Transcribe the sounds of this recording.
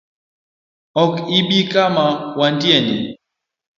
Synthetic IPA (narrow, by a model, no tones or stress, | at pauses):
ɔkiɓikamawandiani